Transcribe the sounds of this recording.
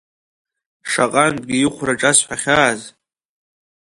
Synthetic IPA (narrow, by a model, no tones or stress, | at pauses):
ʂaqʼanbɡʲijɪχʷʰraʈ͡ʂʼasħʷaχʲaːz